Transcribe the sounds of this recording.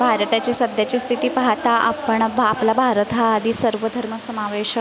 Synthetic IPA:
bʱaɾət̪at͡ɕisəd̪ʱjat͡ɕiːst̪ʰit̪iːpaɦt̪aʔa̰pəɳːplabʱaɾət̪ɦaːd̪ʱiːsəɾʋəd̪ʱəɾməsəmaʋeɕə

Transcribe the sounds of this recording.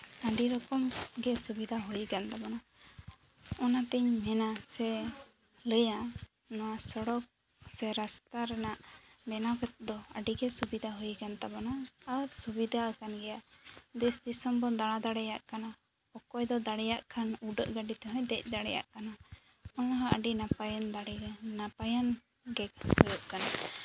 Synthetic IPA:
əɖiɾɔkɔmɡɛsubid̪ʱaɦujɡant̪abana | ɔnat̪ɛɲmɛnasɛ | ləja | nɔwasəɽɔk̚ | sɛɾast̪aɾɛnaʔbɛnabɛt̪̚d̪ɔəɖiɡɛsubid̪ʱaɦujkant̪abanaːɾsubid̪ʱaəkanɡɛjad̪ɛsd̪isɔmbɔnd̪aɽ̃ad̪aɽɛjaʔkana | hɔkɔjd̪ɔd̪aɽɛjaʔkʰanuɖəʔɡaɖit̪ɛɦɔ̃jd̪ɛc̚ˀd̪aɽɛja̰ʔkana | ɔnɦaʔəɖinapajand̪aɽɛnapajan | ɡɛkhɔjɔʔkana

